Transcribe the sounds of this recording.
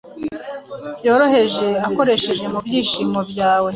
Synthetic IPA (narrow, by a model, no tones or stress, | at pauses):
bjo̞ːɾo̞he̞ʒe̞ako̞ɾe̞ʃe̞ʒe̞mubjiːʃiːmo̞bjaːwe̞